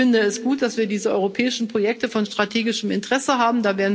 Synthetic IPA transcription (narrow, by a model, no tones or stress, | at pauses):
ɪndəɛsɡ̥uːt̚d̥asv̥iːɐdiːzəʔɔʏʁopʰɛːɪʃn̩pʁ̥ojɛk̚təfɔnʃtʁ̥atʰeːɡɪʃəmɪntəʁ̥ɛsəɦaːbm̩daːveːɐn